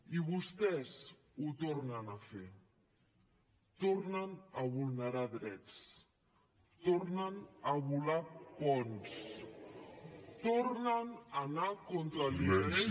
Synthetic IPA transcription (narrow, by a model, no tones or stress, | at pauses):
iβust̪ɛz | ut̪ornənafe | t̪oɾnənəβulˠnəɾaðɾɛt͡s | t̪oɾnənəβulapɔns | t̪oɾnənanakont̪ɾaliɛe